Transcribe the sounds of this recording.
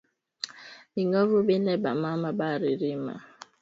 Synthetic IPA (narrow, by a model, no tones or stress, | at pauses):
iŋɔɾʊbenebamamabaɾiɾima̰